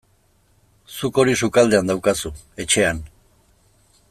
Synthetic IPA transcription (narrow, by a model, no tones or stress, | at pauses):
suko̞ɾisukald̪e̞and̪awkasu | e̞t͡ʃe̞an